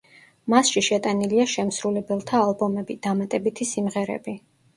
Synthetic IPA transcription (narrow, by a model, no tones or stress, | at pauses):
masʃiʃɛt̪ʼaniliaʃɛmsɾulɛbɛlˠt̪ʰaːlˠbɔmɛbid̪̥amat̪ʼɛbit̪ʰisimʁɛɾɛ̰bi